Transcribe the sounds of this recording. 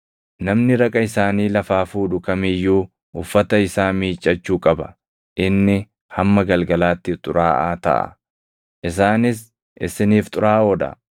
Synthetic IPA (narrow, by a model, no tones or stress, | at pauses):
nɐmnɪɾɐkʼɐɪsaːniːlɐfaːfuːd̪ʊkɐmɪjːuː | ʊfːɐt̪ɐɪsaːmiːt͡ʃʼːɐt͡ʃːuːkʼɐbɐ | ʔɪnːɪ | hɐmːɐɡɐlɡɐlaːt̪ːɪt̪ʼʊɾaːʔaːt̪ɐ̰ʔɐ̰ | ʔɪs̬aːnɪs | ɪ̰sɪniːft̪ʼʊɾaːɔd̪ɐ̰